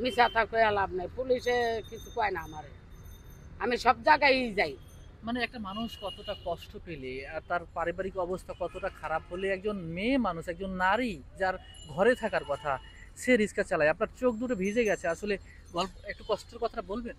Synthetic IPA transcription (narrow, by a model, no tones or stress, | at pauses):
misat̪ʰakojalabnaipulisekit͡ʃʰukɔajnaamaɾe | amisɔbd͡ʒaɡaid͡ʒaj | maneɛk̚ʈamanuʃkɔt̪oʈakɔsʈopeleaɾt̪aɾpaɾibaɾikɔbost̪ʰakɔt̪oʈakʰaɾabɦoleɛk̚d͡ʑonmemanuʃɛk̚d͡ʑonːaɾid͡ʑaɾ | ɡʱɔɾet̪ʰakaɾkɔt̪ʰa | seɾiskat͡ɕalajapnaɾt͡ɕok̚d̪uɾebʱid͡ʑeɡɛt͡ɕʰeaʃole | ɡɔlpɛk̚ʈukɔsʈoɾkɔt̪ʰaʈabolben